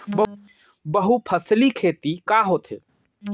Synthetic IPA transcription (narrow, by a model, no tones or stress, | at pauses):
bə | bəɦupʰəslikʰeːt̪ikaɦot̪ɦḛ